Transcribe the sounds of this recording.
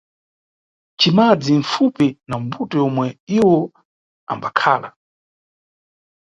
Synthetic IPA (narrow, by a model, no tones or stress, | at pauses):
t͡ʃimad͡ziɱ̩fupinam̩butɔjɔmwɛiwɔ | a̰mbakʰaːla